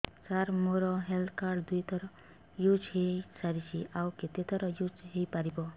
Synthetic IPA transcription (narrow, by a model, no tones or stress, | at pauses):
saɾmoɾɔɦeld̪ʰkaɖd̪ujt̪ɔɾɔ | jud͡ʒɦesaɾit͡ʃʰiʔawket̪et̪ɔɾɔjud͡ʒɦejpaɾibɔ